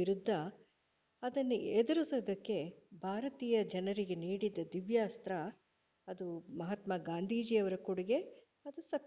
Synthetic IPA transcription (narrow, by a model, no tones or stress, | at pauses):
iɾud̪ʱːɐ | ɐd̪ɐnːued̪ɐɾisod̪ɐkːe̞bʱaːɾɐt̪iːjɐd͡ʒɐnɐɾiɡe̞niːɽid̪ːɐd̪iʋjaːst̪ɾɐ | ɐd̪umɐɦɐt̪mɐɡaːnd̪ʱiːd͡ʒijɐʋɐɾɐkuɽiɡe̞ | ɐd̪usɐk